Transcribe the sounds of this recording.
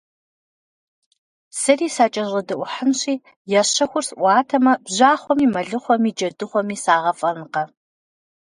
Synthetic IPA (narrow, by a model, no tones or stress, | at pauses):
sɐriːsaːt͡ʃʼɐʑɐdɐʔʷʊħənɕiː | jɛɕɐxʷʊrsʔʷɑːtʰɐmɐbʑaːχʷɔmiːmɐɮɨχʷɔmiːd͡ʒɐdɨχʷɔmiːsaːʁɐfʼɐnqɐ